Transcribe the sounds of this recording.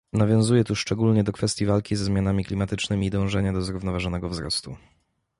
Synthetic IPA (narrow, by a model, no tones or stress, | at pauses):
navʲjɔ̃w̃zujɛt̪uʂt͡ʂɛɡulɲɛd̪ɔkfɛst̪jivalkʲizɛzmʲjanamʲiklʲimat̪ɘt͡ʂnɘmʲiːd̪ɔ̃w̃ʐɛɲad̪ɔzɾuvnɔvaʐɔnɛɡɔvzɾɔ̰st̪u